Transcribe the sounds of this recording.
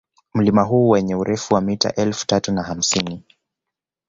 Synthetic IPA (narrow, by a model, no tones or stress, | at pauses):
m̩limaɦuːwɛɲɛuɾɛfuwamita̰ʔɛlfu̥tatunaham̩sini